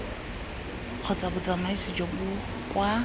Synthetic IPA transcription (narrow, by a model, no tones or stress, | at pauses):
q͡χʰɔt͡sʼabʊt͡sʼamaisid͡ʒɔbʊ | kʼwa